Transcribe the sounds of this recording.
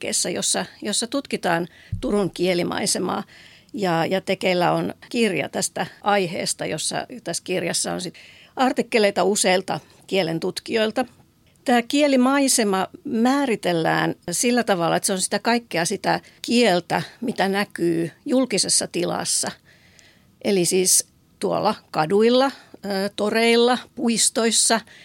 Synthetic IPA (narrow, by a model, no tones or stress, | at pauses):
kḛːsːɑjosːɑjosːɑt̪ut̪kit̪ɑːnt̪uruŋkielimɑ̰isemɑ̰jɑjɑt̪ekelːæonkirjɑ̰t̪æst̪æʔɑihḛːst̪ɑjosːɑ̰t̪æskirjɑsːɑo̰nsit̪ | ɑrt̪ikːeleit̪æuseilt̪ɑ | kielent̪ut̪kioilt̪ɑ | t̪æːkielimɑisemɑmæːrit̪elːæ̰ːnsilːæt̪ɑʋɑlːˑɑ̰et̪seonsi̥t̪ækɑikːeɑsit̪æ | kielt̪æ̰mit̪ænækyːjulkisesːɑt̪ilɑ̰sːɑ | ʔelisiːs | t̪uo̰lːɑkɑduilːɑəːt̪oreilːɑpuist̪oisːɑ